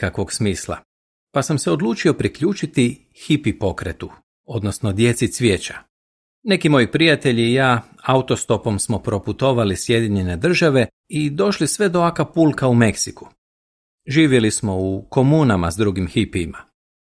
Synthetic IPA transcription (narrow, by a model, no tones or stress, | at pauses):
kakʋo̞ɡsmiːslˠa̰ | pasamse̞o̞d̪lˠuːt͡ʃio̞pɾikʎuːt͡ʃit̪i | xipipo̞kɾe̞t̪u | o̞d̪nosnod̪je̞t̪sit̪sʋʲjeːt͡ɕḁ | ne̞kimo̞ːjipɾijat̪e̞ʎiːjaː | aut̪o̞st̪o̞po̞msmo̞pɾo̞put̪o̞ʋalisje̞d̪jiɲe̞ne̞d̪r̩ʒaʋe̞ | id̪o̞ʃlisʋe̞d̪oakapuːlˠkaume̞ksiku̥ | ʒiːʋje̞lismo̞uko̞muːnamazd̪ɾuɡimxipiːma